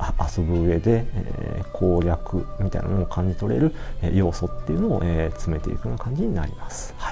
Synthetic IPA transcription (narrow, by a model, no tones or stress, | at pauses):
aaso̞bɯɯ̟e̞d̪e̞ḛːkʰo̞ːɾʲakɯ̟̰mʲit̪a̰ḭnanookʰãɲ̟d͡ʑit̪o̞ɾe̞̰ɾɯ̟ḛjo̞ːso̞t̪ːe̞jɯ̟noo̰ʔet͡sɨme̞t̪e̞ikɯjonakãɲ̟d͡ʑiɲ̟ina̰ɾʲimasɨ̥hai